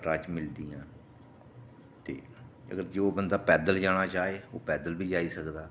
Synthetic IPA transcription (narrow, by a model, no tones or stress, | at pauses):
ʈaːt͡ʃmɪld̪iːãː | t̪ḛːə̰ɡəɾd͡ʒeːoːbənd̪aːpɛːd̪əld͡ʒaːɽ̃aːt͡ʃaːeːoːpɛːd̪əlbiːd͡ʒaːiːsəkd̪aː